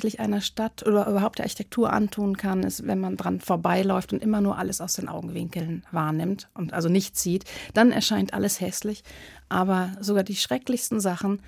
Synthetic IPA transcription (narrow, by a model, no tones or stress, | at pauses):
çlɪçʔaɪnɐʃtatʔoɐʔyːbɐɦaʊp̚d̥eːɐʔaɐçi̥tʰɛk̚tʰuːɐʔa̰ntʰuːənkʰanɪ̰stvɛ̰nmandʁanfoːɐbaɪlɔʏftʊntʔɪmɐnuːɐʔa̰ləsaʊsd̥eːnʔa̰ʊɡŋ̩vɪŋkəl̩nvaːɐnɪmtʔʊntʔa̰lzonɪçtt͡siːtd̥anɛ̰ɐʃaɪntʔa̰ləshɛslɪçʔaːβɐzoɡaːɐdiːʃʁ̥ɛklɪçstn̩zaχn̩